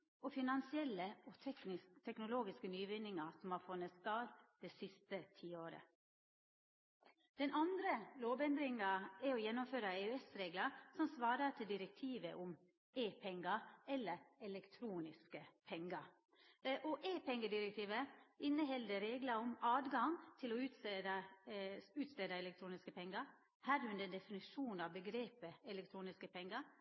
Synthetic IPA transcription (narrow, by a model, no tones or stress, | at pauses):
ɔfɪnɑnsɪɛlːəɔt̪ʰɛknɪst̪ʰɛknʊloːɡɪskənyːʋɪnːɪŋɑsɔmhɑɾfʊnːət̪st̪ɑːɾd̪̥ɛsɪst̪ət̪ʰiːoːɾə̰ | d̪̥ɛnʔɑnd̪ɾəloːbɛnd̪ɾɪŋɑɛɾɔjɛnːʊmføːɾɑeːʉɛsɾeːɡlɑsɔmsʋɑːɾət̪ʰɪld̪ɪɾɛk̚t̪ʰiːʋə̰ʔʊm | eːpʰɛŋɡɑɛlːəɾɛlɛkt̪ʰɾuːnɪskəpʰɛŋɡɑɾ | ʔɔʔeːpɛŋːəd̪ɪɾɛk̚t̪ʰiːʋəɪnːəɦɛld̪əɾeːɡlɑɔmɑːd̪ɡɑŋt̪ʰɪlɔʉt̪ː | ʉːt̪sleːd̪ɑɛlɛk̚t̪ʰɾuːnɪskəpʰɛŋɡɑɾ | hɑd̪əʉnd̪ɛnd̪ɛfɪnɪʂuːnɑʋbəɡɾeːpəɛlɛk̚t̪ʰɾuːnɪskəpʰɛŋɡɑɾ